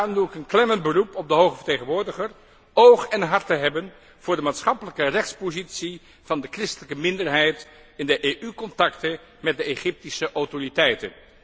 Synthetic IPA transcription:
arɔmduɪkənklɛməntbərupɔb̚dəɦowχəvəɹteχənʋʊːɹdəχər | owχɛnɦɑɹtəɦɛbən | v̥ʊːɹdəmaːtsχɑpələkərɛχtspozitsi | v̥ɑndəkrɪstələkəmɪndəɹɦɛjt | ɪndəʔeʔykɔntɑktə | mɛt̚dəeχɪp̚tisəʔɔwtoritɛjtə̰n

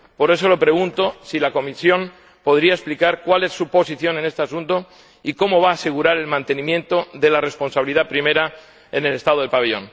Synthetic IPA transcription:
po̞ɾe̞so̞lo̞pɾe̞ɣ̞unt̪o̞silako̞misjo̞m | po̞ðɾiae̞splikaɾkwale̞sːupo̞siθjo̞ne̞ne̞st̪easunt̪o̞ | iko̞mo̞β̞aːse̞ɣuɾaɾe̞lmãnt̪e̞nĩmje̞nt̪o̞ðe̞lare̞spo̞nsaβiliðapɾime̞ɾa | e̞ne̞le̞st̪aðoelpaβeʎõ̞̰n

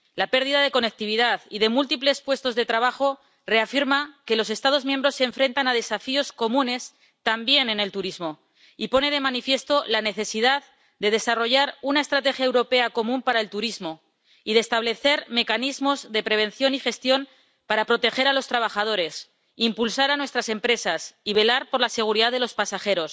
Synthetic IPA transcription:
lape̞ɾðiðað̞e̞ko̞nek̚t̪iβ̞iðaðiðe̞mult̪iple̞spwe̞st̪ozðe̞t̪ɾaβ̞axo̞ | re̞afiɾmake̞lo̞s̬e̞st̪að̞o̞zmjẽmbɾo̞sːeɱfɾe̞nt̪anað̞e̞safio̞sko̞mũne̞s | t̪ambje̞ne̞ne̞lt̪uɾizmo̞ | ipo̞ne̞ðe̞manifje̞st̪o̞lane̞θe̞siðað | d̪e̞ð̞e̞saro̞ʝaɾunae̞st̪ɾat̪e̞xjaewɾo̞pe̞ako̞mũmpaɾae̞lt̪uɾizmo̞ | iðest̪aβle̞θe̞ɾme̞kanizmo̞zðe̞pɾe̞β̞e̞nθjo̞nixe̞st̪jo̞m | paɾapɾo̞t̪e̞xe̞ɾalo̞st̪ɾaβ̞axað̞o̞ɾe̞s | impulsaɾanwe̞st̪ɾase̞mpɾe̞sasiβe̞laɾpo̞ɾlase̞ɣ̞uɾiðaðelo̞spasaxe̞ɾo̞s

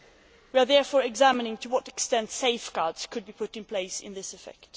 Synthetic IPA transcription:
wiəðɛɹfɔɹɨɡzæmɨnɪ̃ŋtʰəwʌɾɨkstɛ̃ntseɪfɡ̥ɑɹdz̥kʰɨd̚bipʰʊɾɨ̃npʰl̥eɪsɪ̰̃nðɪsɨfɛ̰kt

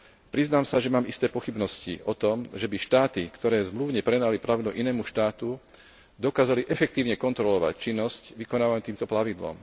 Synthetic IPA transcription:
pɾiznaːmsaʒɛmaːmist̪ɛːpɔxibnɔscḭʔɔt̪ɔmʒɛbiʃt̪aːt̪ikt̪ɔɾɛːzmluʊɲɛpɾɛnaliplaʋd̪uʔinɛːmuʃt̪aːt̪u | d̪ɔkaːzaliʔɛfɛk̚t̪iːʊɲɛkɔnt̪ɾɔlɔʋa̰ct͡ʃinːɔscʋikɔnaːʋaɲt̪iːmt̪ɔplaʋid̪lɔ̰m

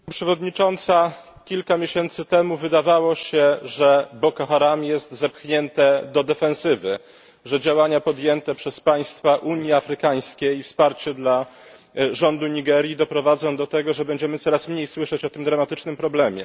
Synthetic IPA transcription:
pʂɛvɔd̪ɲit͡ʂɔnt̪sa | kʲilkamʲjeɕɛnt̪sɘt̪ɛmuvɘd̪avawɔɕɛʐɛbɔkɔxaɾamjɛst̪zɛpxɲɛnt̪ɛd̪ɔd̪ɛfɛ̃ñsɘvɘ | ʐɛd͡ʑawaɲapɔd̪jɛnt̪ɛpʂɛspaj̃st̪faʔuɲjiafɾɘkaj̃skʲeifspaɾt͡ɕɛd̪la | ʐɔnd̪uɲiɡɛɾʲjid̪ɔpɾɔvad̪zɔ̃w̃d̪ɔt̪ɛɡɔʐɛbɛɲd͡ʑɛmɘt̪sɔɾasmɲejswɘʂɛt͡ɕɔt̪ɘmd̪ɾamat̪ɘt͡ʂnɘmpɾɔblɛmʲjɛ̰

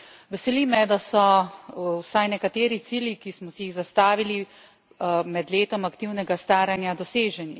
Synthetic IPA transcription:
ʋɛsɛlimɛd̪asɔ | wsajnɛkat̪eːɾit̪siːljikismɔsɛjiɣzast̪aːʋili | mɛd̪leːt̪ɔmakt̪iwnɛɡast̪aːɾanjad̪ɔseːʒɛni

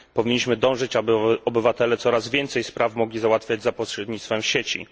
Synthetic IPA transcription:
pɔvʲiɲːiɕmɘd̪ɔ̃w̃ʐɘt͡ɕabɘɔbɘvat̪ɛlɛt̪sɔɾazvʲjɛnt̪sɛjspɾafmɔɡlʲizawat̪fʲjad͡ʑzapɔɕɾɛd̪ɲit̪t̪fɛmfɕet͡ɕḭ

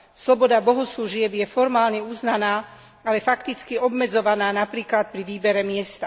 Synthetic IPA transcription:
slɔbɔd̪abɔɦɔsluʒɪɛbjɛfɔɾmaːlɲɛuːznanaː | alɛfakt̪it͡skiɔbmɛd͡zɔʋanaːnapɾiːklat̪̚pɾiʋiːbɛɾɛmɪɛst̪a

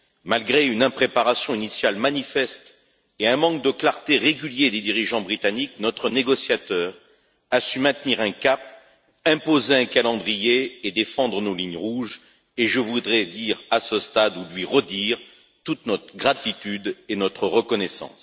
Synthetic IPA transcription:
malɡʁeynɛ̃pχepaʁasjɔ̃inisjalmanifɛst̪ | eɛ̃mɑ̃kd̪əklaʁt̪eʁeɡʲyljed̪ed̪iʁiʒɑ̃bʁit̪aniknɔt̪χəneɡɔsjat̪œːʁ | asymɛ̃t̪niʁɛ̃kap̚ | ɛ̃pozeɛ̃kalɑ̃d̪ʁijeːd̪efɑ̃d̪ʁənoliɲʁuʒ | eʒəvud̪ʁɛd̪iʁasəst̪ad̪ulɥiʁəd̪iʁ | t̪ut̪nɔt̪χəɡʁat̪it̪yd̪enɔt̪χəʁəkɔnɛsɑ̰̃s

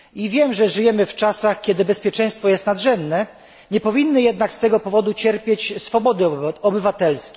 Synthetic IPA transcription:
ivʲjɛmʐɛʐɘjɛmɘft͡ʂasaxkʲjɛd̪ɘbɛspʲjɛt͡ʂɛj̃st̪fɔjɛst̪nad̪ʐɛnd̪nɛ | ɲɛpɔvʲinːɘjɛd̪nakst̪ɛɡɔpɔvɔd̪ut͡ɕɛɾpʲjet͡ɕsfɔbɔd̪ɘɔbɘvat̪ɛlskʲɛ

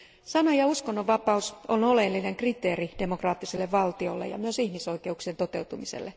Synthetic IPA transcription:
sɑnojɑuskonːoʋʋɑpɑusonolelːineŋkrit̪eːrid̥e̞mokrɑːt̪ːiselːeʋʋɑlt̪io̞̰lːḛjɑ̰myøsihmiso̞ijke̞uksient̪ot̪e̞wt̪umisḛlːe

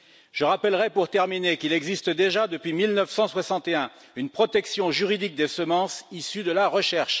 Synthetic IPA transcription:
ʒ̥əʁapɛlʁɛpuʁt̪ɛʁminekilɛɡzist̪d̪eʒad̪əpɥimilnəfsɑ̃swasɑ̃t̪eɛ̃ | ynpχɔt̪ɛksjɔ̃ʒyʁid̪ik̚d̪esəmɑ̃sisyd̪əlaʁəʃɛʁʃ

